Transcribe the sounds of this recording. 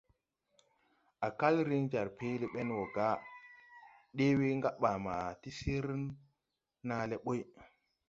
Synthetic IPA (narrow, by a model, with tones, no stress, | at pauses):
a˨ka˦lɾi˦ŋd͡ʒa˨ɾpe˦le˦ɓe˦nwo˨ɡa˦ | ɗe˦wi˦ŋɡa˦ɓa˨ma˨ti˦si˦ɾ | na˦le˦ɓo˦j